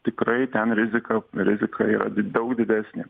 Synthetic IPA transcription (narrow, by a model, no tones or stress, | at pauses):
t̪ʲɪkɾɐɪt̪ʲɛnɾʲɪzʲɪkɐɾʲɪzʲɪkʰɐiːɾɐ̰d̪ʲd̪ɐʊkd̪ʲɪd̪ʲæːsʲnʲɪ